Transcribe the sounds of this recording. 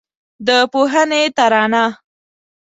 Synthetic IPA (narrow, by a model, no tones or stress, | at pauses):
d̪əpoɦənet̪aɾɑna